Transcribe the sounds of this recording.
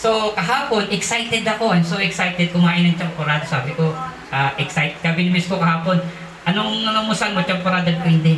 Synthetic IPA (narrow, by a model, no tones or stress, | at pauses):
sokɐɦaːpo̞nʔɛksajt̪ɛd̪ɐko̞ʔɐjmsowʔɛksajt̪ɛd̪̚kʊmaːʔɪnɐŋt͡ʃɐmpoɾaːd̪osaːbɪko̞ | ʔaːʔɛksajt̪kaːbɪnɪmiskokɐɦaːpo̞n | ʔɐnoŋmɐŋɐmʊsanmot͡ʃɐmpoɾaːd̪ɐɡ̪kɐnd̪ɪn